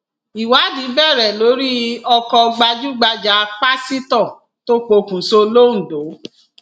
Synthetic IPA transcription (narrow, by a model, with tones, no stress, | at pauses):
i˨wa˨˦di˨˦bɛ˦˨ɾɛ˨lo˨˦ɾi˦ɔ˧kɔ˧ɡ͡ba˧d͡ʒu˦ɡ͡ba˧d͡ʒa˨˦k͡pa˦si˦tɔ̃˦˨ | to˦k͡po˧kũ˨so˧lo˦n̩˨do˨˦